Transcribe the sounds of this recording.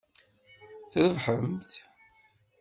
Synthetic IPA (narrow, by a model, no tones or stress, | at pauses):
θɾəvħəmθ